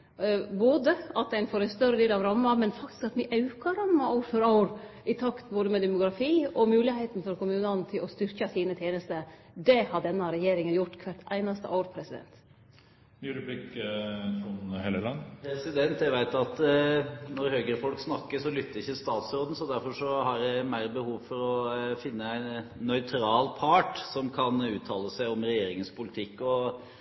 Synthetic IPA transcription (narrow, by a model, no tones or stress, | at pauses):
boːd̪əɑt̪̚d̪ɛɪnfoːɾɛɪnst̪œɾəd̪eːlɑʋɾɑmːɑmɛnfɑkt̪ɪ̥skɑt̪ʋɪʔɑʉkɑɾɑmːɑɑːɾfœɾɑːɾ | ɪt̪ʰɑkt̪boːd̪əmɛd̪ɛmʊɡɾɑfiːɔmʉːlɪhet̪n̩fɔɾkʰʊmʉːnɑnt̪ʰɪlɔst̪ʏɾçɑsiːnət̪ʰjeːnəst̪ə | d̪ɛhɑɖɛnːəɾɛjeːɾɪŋənjʊʈːkʰʋæʈ̪ʔæ̰ɪnɑst̪ə̰ʔoːɾpʰɾɛsɪd̪ɛ̰nt̪ | nyːɾʉblɪk | ɔnheːləlɑnːpʰɾɛsɪd̪ɛnt̪jæʋæɪt̪ɑt̪ | nɔɾhøːɡəɾəfɔlksnɑkːəʂɔlʏt̪ːəɾɪçːəst̪ɑːt̪sɾoːd̪n̩sɔd̪æɾfɔʂɔhɑɾɛmæɪɾəbəhuːʋfɔɾɔfɪnːəæɪnnœʏt̪ʰɾɑːlpʰɑːʈsɔmkʰɑnʉːt̪ʰɑːləsæɪɔmɾɛjeːɾɪŋənspʰʊlɪt̪ʰɪkːɔ